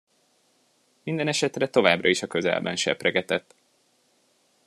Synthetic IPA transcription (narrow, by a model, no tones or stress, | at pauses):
mind̪ɛnɛʃɛt̪rɛt̪o̞vaːbrɒiʃɒkøzɛ̰lbɛ̰nʃɛ̰pɾɛɡɛt̪ɛt̪ː